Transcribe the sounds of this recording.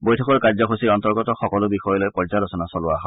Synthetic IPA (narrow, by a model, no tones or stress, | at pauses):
bojtʰɔkɔɹkaɹzɔkosiɹɔntɔɹɡɔtɔxɔkɔlʊbixɔjɔlojpɔɹzalɔsɔnasɔlʊaɦɔ